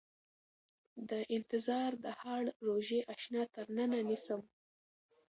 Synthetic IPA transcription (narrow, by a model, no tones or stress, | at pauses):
d̪əʔɪnt̪ɪzɑɾd̪əhɑɽɾoʒeʔaʃnɑt̪əɾnənanisəm